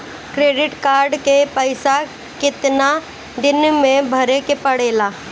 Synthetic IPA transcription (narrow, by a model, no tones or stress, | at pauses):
kɾeːɖɪʈkaːɾɖkepəɪsa | kɪt̪na | d̪ɪnmẽbʱəɾekepəɽeːlaː